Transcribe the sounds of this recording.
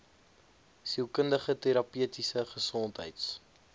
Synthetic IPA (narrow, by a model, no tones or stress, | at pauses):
siəlˠkəndəχəteɾɐpyətisəχəsɔntɦə̰jts